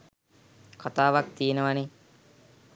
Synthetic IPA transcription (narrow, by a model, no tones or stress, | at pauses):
kʰat̪aːʋak̚t̪iːenəʋane